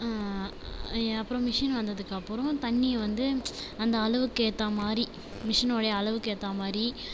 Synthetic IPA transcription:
aː | ɐpːɯɾõmɪʂɐnʋɐnd̪ɐðɯkːɐpːɯɾɔ̃t̪ɐɳːiʋɐnd̪ɯɐnd̪ɐːɭɐʋɯkːeːt̪ːaːmaːɾi | mɪʂɐnoːɽɐjɐːɭɐʋɯkeːʈt̪ːaːmaːɾɾi

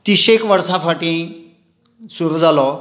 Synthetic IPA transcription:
t̪iɕekʋəɾsãfaʈĩ | suɾud͡zalɔ

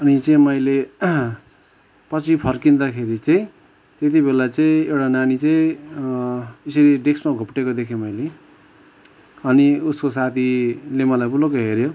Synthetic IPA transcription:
ʌnit͡sʌĩmʌjle | pʌt͡sʰipʰʌrkind̪akʰeɾit͡sʌĩ | t̪et̪̬ibelat͡sʌĩewʈananit͡sʌĩ | esʌɾiɖeksmaɡʱupʈekod̪ekʰemʌjle | ʌniuskos̬at̪ʰilemʌlajbulokoɦeɾjo

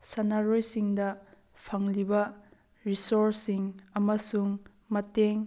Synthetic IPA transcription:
sɐnaɾojsiŋdɐ | pʰɐŋlibɐ | ɾisoɾsiŋɐmɐsuŋ | mɐteŋ

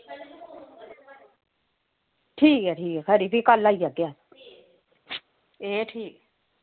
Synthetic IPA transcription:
ʈʰiːkɛʈʰiːkɛkɐɾipikalːaijaɡja | eʈʰiːk

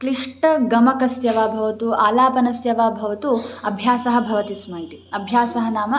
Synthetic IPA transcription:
kɾiʂʈɐɡɐmɐkɐsjɐʋaːbʱɐʋɐt̪uaːlaːpɐnɐsjɐʋaːbʱɐʋɐt̪uɐbʱjaːsɐɦɐ̆bʱɐʋɐt̪ismɐit̪iɐbʱjaːsɐɦɐnaːmɐ

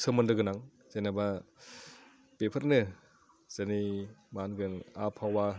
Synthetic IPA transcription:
sɯmɯndɯɡɯnaŋ | zejnaba | pepʰɐɾanɯ | z̥animanɡɯnapʰawa

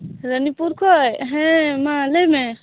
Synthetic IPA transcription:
ɾənipuɾkʰɔjɦẽmaləme

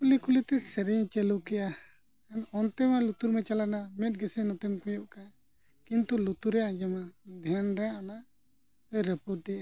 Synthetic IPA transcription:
kulikulit̪ɛsɛɾɛɲt͡ʃɛlukɛja | ɛnɔnt̪ɛmalut̪uɾmɛt͡ʃalanamɛt̪̚ɡɛsɛnɔt̪ɛmkɔjɔʔka | kint̪ulut̪uɾɛjad͡ʒamad̪ʱanɾɛana | t̪ɛɾəpud̪ɛʔa

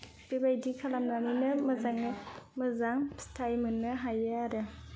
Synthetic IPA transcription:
b̥ebajdikʰalamnaninɯmɐzaŋnɯmɐzaŋstʰajmɯnːɯɦajɯaɾɯ

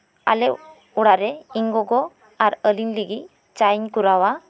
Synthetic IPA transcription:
a̰lɛ | uɽaʔɾɛiŋɡɔɡɔ | aɾəlinliɡi | t͡ʃajɲkuɾawa

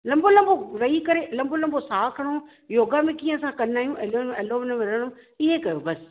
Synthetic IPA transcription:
lɐ̃mbʱolɐ̃mbʱoɾɐikɐɾelɐ̃mbʱolɐ̃mbʱosaːkʰɐɽ̃o | joːɡamẽkĩːə̃sãkɐnaːijũʔelõeːloːʋɪnɐʋɪɾəɽ̃ʊ̃ | ɪɦekɐjobɐs

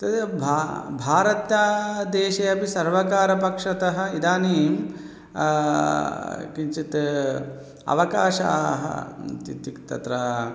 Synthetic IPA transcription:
t̪ɐbʱabʱaːɾɐt̪jaːd̪eːʃɐjɐpisɐɾʋɐkaːɾɐpɐkʂɐt̪ɐɦɐ̆id̪aːniːm | kint͡ʃit̪ | ɐ̰ʋɐkaːʃa̰ɦɐ̰t̪it̪ikt̪ɐ̰t̪ɾɐ

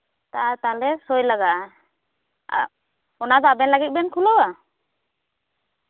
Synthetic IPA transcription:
t̪at̪alɛsɔjlaɡaʔ | a̰ | ɔnad̪ɔabɛnlaɡit̪̚bɛnkʰulɔwa

